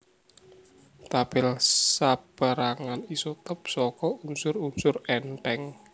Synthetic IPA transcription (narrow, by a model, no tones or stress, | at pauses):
t̪ab̥ɪlsab̥əɾaŋanisut̪əpsɔkɔunsʊrunsʊrɛnʈ̪ɛŋ